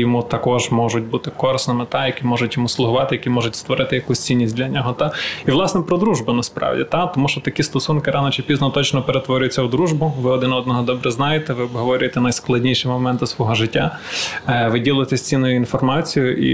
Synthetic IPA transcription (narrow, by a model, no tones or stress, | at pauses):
jɔmut̪ɐkɔʒmɔʒʊt̚ʲbut̪ɪkɔɾɪsnɐmɪt̪ɑjɐkʲimɔʒʊtʲjɔmuslˠʊɦʊʋɑt̪ɪjɐkʲimɔʒʊtʲst̪ʋɔɾɪt̪ɪjɐkusʲt͡sʲinʲːisʲdʲlʲɐnʲɔɦɔt̪ɑiʋlˠɑsnɛpɾɔd̪ɾuʒbʊnɐspɾɑ̰ʋdʲḭt̪ɑt̪ɔmuʃt͡ʃɔt̪ɐkʲist̪ɔsunkɪɾɑnɔt͡ʃɪpʲiznɔt̪ɔt͡ʃnɔpeɾet̪ʋɔɾʲʊjʊt͡sʲːɐwd̪ɾuʒbʊʋɪɔd̪ɪnɔd̪nɔɦɔd̪ɔbɾɛznɑjet̪ɛʋɪɔbɦɔʋɔɾʲʊjet̪ɛnɐjsklˠɐdʲnʲiʃɪmɔmɛnt̪ʊsʋɔɦɔʒɪtʲːa | ʋɪdʲilˠɪjt̪ɛsʲt͡sʲinːʊjʊinfɔrmɑt͡sʲijʊʔḭ